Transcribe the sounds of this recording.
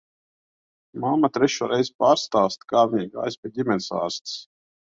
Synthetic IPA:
mamːat̪ɾɛʃuːɾʔɛjzpaːɾst̪aːst̪kaːviɡa̰jsbʲɛdʲimʲɛnʲsa̰ːɾst̪s

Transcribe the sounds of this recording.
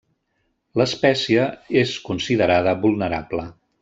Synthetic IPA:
ləspɛsiəeskunsiðəɾaðəβulˠnəɾablə

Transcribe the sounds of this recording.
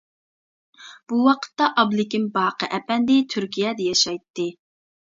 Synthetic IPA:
b̥uwɑqʰə̥t̪ːɑʔɑblˠɪkʲimbɑːqʰəʔɛpɛnd̪ɪt̪ʰyɾkʲijɛd̪ɛjɑʃɑjt̪ːɨ

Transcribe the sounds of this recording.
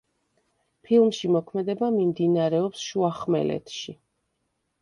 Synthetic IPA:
pʰilˠmʃimɔkʰmɛd̪ɛbamimd̪inaɾɛɔpsʃuaχmɛ̰lɛ̰t̪ʰʃi

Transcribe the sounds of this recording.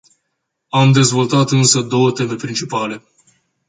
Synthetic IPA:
amd̪e̞zvo̞lt̪at̪ɨnsəd̪o̞wət̪e̞me̞pɾint͡ʃipale̞

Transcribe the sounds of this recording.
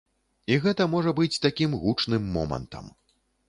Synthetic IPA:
iɣɛt̪ɐmɔʐɐbɨt͡sʲt̪akʲimɣut͡ʂnɨmːɔ̰mɐ̰nt̪ɐ̰m

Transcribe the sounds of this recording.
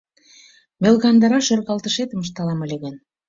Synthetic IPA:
melɣɑnd̪ɑɾɑʃørɣɑlˠt̪əʃet̪əməʃt̪ɑlɑmə̆lʲeɣən

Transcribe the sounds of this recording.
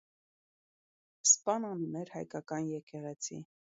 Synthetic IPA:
spɑnɑnunɛɾhɑjkɑkɑnjɛkɛʁɛt͡sʰḭ

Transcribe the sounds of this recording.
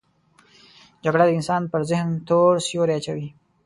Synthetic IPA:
d͡ʒaɡɽad̪əɪnsɑnpəɾzɪhnt̪oɽsjoɾeat͡ʃawi

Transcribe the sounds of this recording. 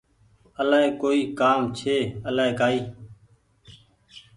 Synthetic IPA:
əlaːeːkoːiːkaːmt͡ʃʰeːəlaːeːkaːiː

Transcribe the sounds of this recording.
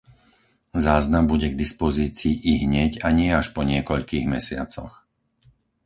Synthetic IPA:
zaːznambuɟɛɡd̪ispɔziːt͡siːʔiɦɲɛɟaɲɪɛaʃpɔɲɪɛkɔʎkiːɣmɛsɪa̰t͡sɔ̰x

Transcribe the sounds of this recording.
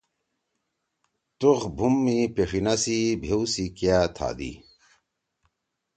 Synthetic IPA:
t̪uχbʱumːipeʂinasibʱewsikjat̪ʰa̰ːd̪ḭ

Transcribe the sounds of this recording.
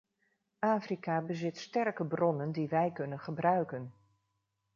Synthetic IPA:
ʔaːfrikaːbəzɪtstɛrkəbrɔnəndiʋɛjkɵnənχəbrœɥkən

